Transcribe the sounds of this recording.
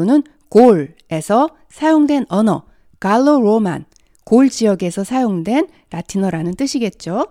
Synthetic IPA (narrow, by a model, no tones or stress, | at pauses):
onɯn | koɭ | e̞sʰʌ | sʰajoŋdwe̞nʌnʌ | kaɭːoɾoma̰n | koɭd͡ʑiʌɡe̞sʰʌsʰajoŋdwe̞n | ɾatʰinʌɾanɯnt͈ɯɕʰiɡe̞t̚t͡ɕ͈o